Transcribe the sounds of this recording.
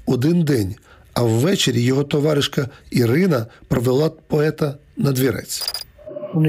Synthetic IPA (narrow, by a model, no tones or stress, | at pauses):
ɔd̪ɪnd̪ɛnʲ | ɐwːɛt͡ʃeɾʲijɔɦɔt̪ɔʋɑɾɪʃkɐiɾɪnɐpɾɔʋelˠɑpɔɛt̪ɐ | nɐd̪ʲʋʲiɾɛ̰t͡sʲ